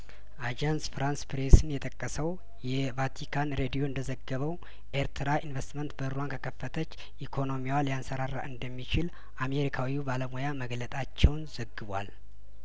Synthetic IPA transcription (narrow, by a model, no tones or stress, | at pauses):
ʔad͡ʒansfɾanspɾesɨnjɛt̪ʼəkʼːəsəw | jɛvat̪ʰikʰanɾed̪ijo̞ɨnd̪əzəɡəβəw | ʔeɾt̪ʰɨɾaʔinvest̪mənt̪bəɾuankʰəkʰəfːət̪ʰət͡ʃː | ʔikʰo̞no̞miwaljansəɾara̰ʔɨnd̪əmːit͡ʃɪl | ʔameɾikʰawiubaləmojaməɡlət̪ʼat͡ʃːɛwnzəɡːɨβʷa̰l